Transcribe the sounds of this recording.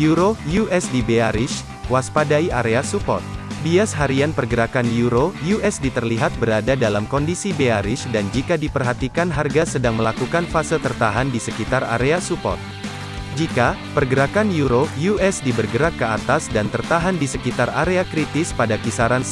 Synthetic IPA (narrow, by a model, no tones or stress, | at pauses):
juɾojuʔɛsdibeaɾɪs | waspadaiʔaɾeasupɔ̰rt̪̚biasɦaɾianpərɡəɾakanjuɾojuʔɛsdit̪ərliɦat̪̚bəɾadadalamkɔndisibeaɾɪʃdand͡ʒikadipərɦat̪ikanɦarɡasədaŋməlakukanfasɪlt̪ərt̪aɦandisəkit̪aɾa̰ɾeasupɔ̰t̪̚ | d͡ʒikapərɡəɾakanjuɾojuʔɛsdibərɡəɾakːəa̰t̪asdant̪ərt̪aɦandisəkit̪araɾeakɾit̪ɪspadakisaɾans